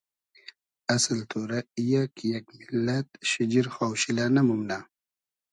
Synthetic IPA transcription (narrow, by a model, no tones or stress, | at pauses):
ɐsəlt̪ʰoːɾaijakjakmilːat̪ʃid͡ʑiɾxaːwɕilanamumna